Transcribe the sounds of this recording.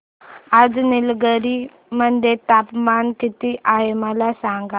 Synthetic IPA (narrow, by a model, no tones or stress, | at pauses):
ad͡znilɡəɾi | mənd̪ʱet̪apmankit̪iʔaɦeməlasãŋɡa